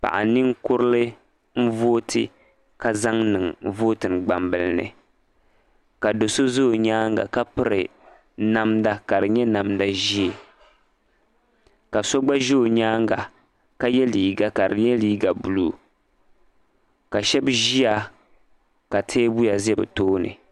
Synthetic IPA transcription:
pa̰˨ʔa̰˨nɨ˦ŋkʊ˦ɾɨ˦lɨ˦ | m̩˦vo˦tʰɨ˨ | ka˨za˦ŋnɨ˨ŋvoː˦tɨ˨n˨ɡ͡ba˨mbɨ˨lɨ˦nɨ̰˨ | ka˨do˨so˦zo˦˨ɲaː˦ŋɡa̰˨ka˦pɨ˦ɾɨ˨ | na˦mda˦ka˨dɨ˨ɲɛ˦na˨mda˦ʒi˦e˨ | ka˨so˦ɡ͡ba˦ʒoː˦˨ɲaː˦ŋɡa˨ | ka˦jɛ˦liː˨ɡa˨ka˨ɾɨ̰˨ɲɛ˦liː˦ɡa˨bu˨lu˦ | ka˨ʃɛ˦bʒi˦a˨ | ka˨tʰeː˦bu˦ja˨zɛ˦bɨ̰˨toː˦nɨ̰˨

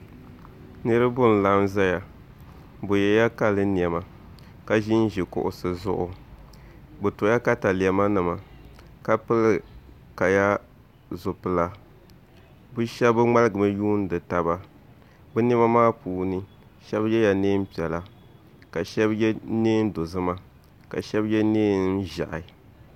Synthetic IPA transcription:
nɨ˦ɾɨ˦bʊ˦n˨la˦mza˦ja˨ | bʊ˨jɛ˨ja˦ka˦lɨ˦ni˨ɛ˨ma˨ | ka˨ʒi˦n˦ʒi˨kʊ̰˨ʔʊ̰˨sɨ˨zʊ̰˦ʔʊ˨ | bʊ˨tʊ˨˦a˦ka˦ta˨lɪ˨ɛ˨ma˦nɨ˨ma˨ | ka˦pɨ˦lɨ˦˨ | ka˨ja˦ | zʊ˨pɨ˨la˦ | bu˦ʃɛ˦bɨ˦ŋ͡ma˦lɨ˦ɡɨ˨mɨ˦juː˦n˦dɨ˨ta˨ba˦ | bɨ˦ni˦ma˦maː˦puː˨nɨ˦ | ʃɛ˦bjɛ˦ja˨neː˦m̩˦pi˨ɛ˨la˨ | ka˨ʃɛ˦bjɛ˦neː˦n˦do˨zɨ˦ma˦ | ka̰˨ʃɛ˦bjɛ˦neː˦n˦ʒa̰˨ʔɪ˨

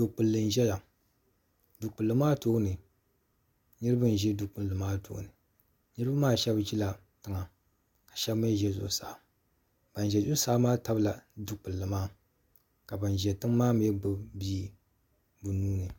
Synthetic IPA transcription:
du˨k͡pɨ˨lːɨ˨n˨ʒɛ˦ja˨ | du˨k͡pɨ˨lːɨ˨maː˦toː˦nɨ˨ | ɲɨ˦ɾɨ˦ba˦n˨ʒi˦du˨k͡pɨ˨lːɨ˨maː˦to̰ː˨˦nɨ˨ | nɨ˦ɾɨ˦ba˦maː˦ʃɛ˦bd͡ʒi˦la˨ | tɨ˦ŋa˨ | kḁ˨ʃɛ˦bm˦e˦ʒɛ˦zo̰˨sa˨ | b̥a˨n˨ʒɛ˨d͡ʒʊ˦sa˦maː˦ta˦bɨ˦la˨du˨k͡pɨ˨lːɨ˨maː˦ | ka˨ba˨n˨ʒɛ˨tɨ˦ŋ˦maː˦m˦ɛ˦ɡ͡bɨ˨biː˦ | bu˨nuː˦nɨ˨

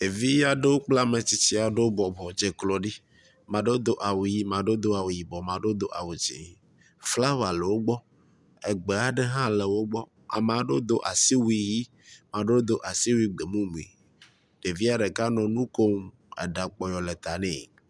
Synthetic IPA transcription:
e˨vi˦ja˦ɖe˦wo˦k͡pla˦mẽ˨t͡ɕi˨t͡ɕi˦a˨ɖe˦wo˦bɔ˨bɔ˨d͡ʒe˨klɔ˨ɖi˦ | mã˨ɖo˦d̪o˦ʔa˨wu˨ji˦mã˨ɖo˦d̪o˦a˨wu˨ji˨bɔ˨mã˨ɖo˦d̪o˦ʔa˨wu˨d͡ʒḭ˨ | fla˦wa˨le˨wo˦ɡ͡bɔ˦ | e˨ɡ͡be˨a˦ɖe˦ɦã˦le˨wo˦ɡ͡bɔ˦ | a̰˨mẽ˨a˨ɖo˦d̪o˦ʔa̰˨si˦wi˨ji˦ | mã˨ɖo˦d̪o˦ʔa˨si˦wu˦i˦ɡ͡be˨mũ˦mũ˨ḭ˨ | ɖ̥e˨vi˦a˦ɖe˨ka˦nɔ̃˨nũ˦ko˦m | ɛ̰˨ɖa˨k͡pɔ˨jɔ˨le˨t̪a˨nḛ̃˨

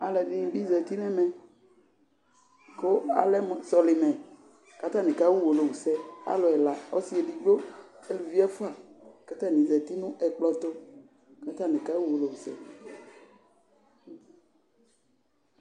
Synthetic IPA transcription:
a˨lɛ˨ɖĩ˦bi˦zɛ˨t̪i˦nɛ̃˦mɛ̃˨ | ko˦a̰˨lɛ˦m˨sɔ˨li˨mɛ̃˨ | ka˦t̪ã˦nẽ˨ka˦wu˦wo˨lo˨wu˨sɛ˦a̰˦lɔ˨ɛ˨la˨o˦si˦e˨ɖi˨ɡ͡bo˦e˦lu˨vi˦a˦fo˦a˨ka˦t̪ã˦nĩ˨zɛ˨t̪i˦nũ˦ʔɛ˨k͡plɔ˦t̪o˦ | ka˦t̪ã˦nẽ˨ka˦wu˦wo˨lo˨wu˨sɛ̰˦

